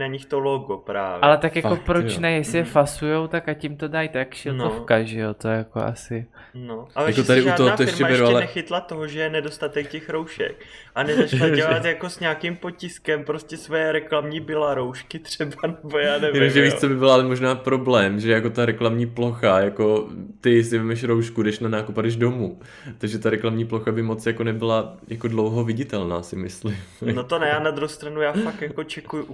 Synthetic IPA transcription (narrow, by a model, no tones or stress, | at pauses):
naɲɪxt̪oloɡopɾa̰ːvʔalɛt̪akjaopɾot͡ʃnɛjɛsɪjɛfasujowt̪akacimt̪o̞dajt̪akʃɪlntofkaʒɛjot̪ojɛjako̰ʔa̰sɪ | noʔaljakot̪adɪʔuoɦoat̪ojɛɾmcɛabɛɾuaɛlɛnɛxɪt̪lat̪oɦoʒɛjɛnɛdost̪at̪ɛkcɛxɾowʃɛ̰k̚ʔanɛzat͡ʃlaɟɛlat̪jako̞sɲaːkimpocɪskɛmpɾoscɛsvojɛɾɛklamɲibɪlaɾowʃkɪt̪r̥ɛbanɛbojaːnɛjɛnomʒɛvit͡sobɪbɪlʔalɛmo̞ʒnaːpɾo̞blɛːmʒɛjako̞t̪aɾɛklamɲiːplo̞xajako̞t̪ɪsɪvɛmɛʃɾo̞wʃkudɛʃnanaːkupadɛʒdo̞muː | t̪aɡʒɛt̪aɾɛklamɲiːplo̞xabɪmo̞t͡sjako̞nɛbɪlajakodlo̞wɦovɪɟɪt̪ɛlna̰ːsɪmɪslɪmnot̪onɛjaːnad̪ɾuɦost̪ɾanujaːfakjako̞t͡ʃɛkuju